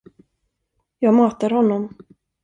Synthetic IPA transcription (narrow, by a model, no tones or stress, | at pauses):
jɑːɡmɑːt̪aɾhɔnːɔm